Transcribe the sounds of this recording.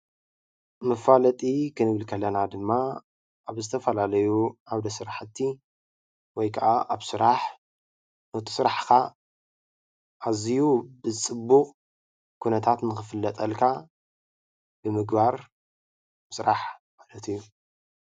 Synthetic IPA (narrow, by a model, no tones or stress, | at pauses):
mɐfalɐt̪ʼikʰɨnɨβɨlkʰɐlːɐnad̪ɨmːaː | βzɨt̪ʰɐfɐlalɐjuaβd̪ɐsɨɾaħɨt̪ʰːi | wɔjkʰɐʔaʔaβsɨɾaħ | not̪ʰi̥sɨɾaħkʰa | ʔazijubɨt͡sʼɨbːuxʼ | kʰunɐt̪ʰat̪nɨxɨfɨlːɐt̪ʼɐlkʰa | b̥ɨmɨɡbaɾ | sɨɾaħmalɐt̪ʰɨjːu